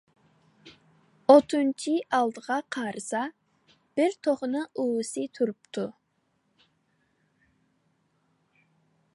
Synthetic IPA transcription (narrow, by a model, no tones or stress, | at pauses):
ot̪ʰunt͡ʃʰiɑlˠd̪əʁɑqʰɑːɾʔɨsɑ | b̥ɪɾt̪ʰoχnɨʔuwsɨt̪ʰuɾup̚t̪ʰu